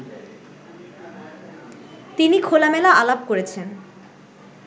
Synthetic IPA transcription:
t̪inikʰolamɛlaalabkoɾet͡ɕʰen

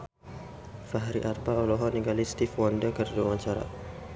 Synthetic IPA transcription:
faɦɾiʔarpaɔlɔɦɔniŋɡalist̪ifwandəkərduawaɲt͡ʃaɾa̰

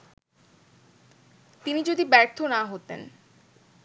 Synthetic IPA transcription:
t̪inid͡ʑod̪ibɛɾt̪ʰonaɦot̪ḛn

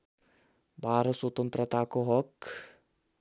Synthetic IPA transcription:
baːɾəswɔt̪ənt̪ɾət̪aːkoɦɔk

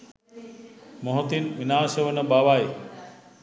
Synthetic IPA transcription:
moɦot̪inʋinaːʃəʋənəbaʋai

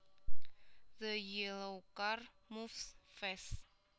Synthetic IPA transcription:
ðəjilowkarmufsfɛs

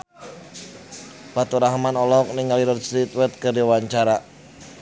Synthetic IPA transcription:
pat̪uɾaɦmanɔlɔk̚nɪŋaliɾɔt̪̚sit̪wɛt̪̚kərdiwaɲt͡ʃaɾa

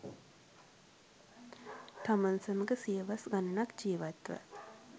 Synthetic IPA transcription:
t̪amansəməkəsiəʋasɡanənakd͡ʒiːʋat̪ʋə̰

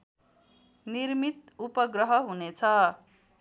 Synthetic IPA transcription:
nirmit̪upʌɡrʌɦʌɦunet͡sʰʌ

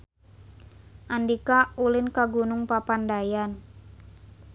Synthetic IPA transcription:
ʔandikaulɪnkaɡunʊŋpapandajan

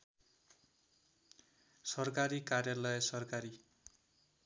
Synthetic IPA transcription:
sʌrkaɾikarjalʌjʌsʌrkaɾi

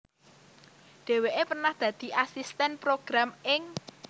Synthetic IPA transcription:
ɖ̪̥e̤weʔepərnahd̪̥ä̤d̪̥i̤ʔasist̪ɛnpɾoɡ̥ɾamɪŋ

